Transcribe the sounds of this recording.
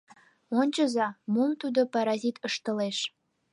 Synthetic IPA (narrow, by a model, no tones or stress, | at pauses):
onʲt͡ɕəzɑmumt̪ud̪opɑɾɑzit̪əʃt̪əleʃ